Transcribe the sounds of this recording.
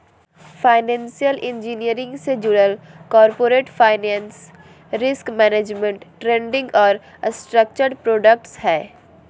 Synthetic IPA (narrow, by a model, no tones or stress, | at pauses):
faːɪnɛ̃ːnsijəlɪ̃ɲd͡ʒiːnijəɾɪ̃ŋɡsed͡ʒʊɽəlkɔːɾpoːɾeːʈfaːɪnɛ̃ːns | ɾɪskmɛːneːd͡ʒmẽɳʈʈɾẽːɳɖɪ̃ŋɡɔːɾ | sʈɾək̚t͡ʃəɾpɾoːɖək̚ʈshɛː